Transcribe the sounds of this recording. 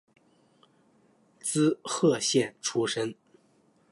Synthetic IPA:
t͡sɹ̩˥xɤ˥˧ɕjɛ˥˩nʈ͡ʂʰu˥ʂə˥n

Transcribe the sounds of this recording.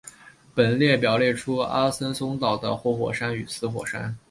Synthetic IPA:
pə˨˩nljɛ˥˩pjɑ˨˩ʊljɛ˥˩ʈ͡ʂʰu˥a̰˥sə˥nsʊ˥ŋt̪ɑ˥˩ʊd̪ə̰˨˩xwɔ˥˩xwɔ̰˨˩ʂa˥ny˨˩sɹ̩˥xwɔ̰˨˩ʂa̰˥n

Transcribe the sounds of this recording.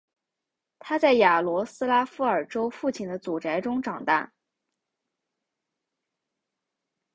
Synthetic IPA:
t̪ʰa˥t͡sa˥˩ɪja˨˩lwɔ˧˥sɹ̩˥la˥fu˥ə˞˨˩ʈ͡ʂo˥ʊfu˥˩t͡ɕʰi˥˩nd̪ə˦t͡su˨˩ʈ͡ʂa˧˥ɪʈ͡ʂʊ˥ŋʈ͡ʂɑ˨˩ŋt̪a̰˥˩

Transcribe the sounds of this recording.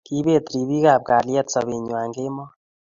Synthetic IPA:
ki˦be˦˨t̪ɾi˨bi˦ka˨p̚ka˨ljɛ˦tsɔ˨be˨ɲwa˨ŋɡe˦mɔ˦

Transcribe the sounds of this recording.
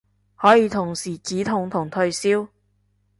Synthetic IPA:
hɔː˨˥jiː˨˧t̪ʰʊ˨˩ŋsiː˨˩t͡siː˨˥t̪ʰʊ˨˩ŋt̪ʰʊ˨˩ŋt̪ʰɵ˧ɥsiː˥w

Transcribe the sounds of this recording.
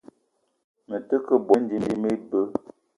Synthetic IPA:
mə˨tə˦kə˦bo˦n˦di˦n˦di˦me˦bə˦

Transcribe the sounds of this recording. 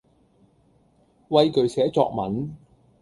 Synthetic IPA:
wɐ˧jkɵ˨˩ɥsɛː˨˥t͡sɔ̰ː˧k̚mɐ̰˨˥n

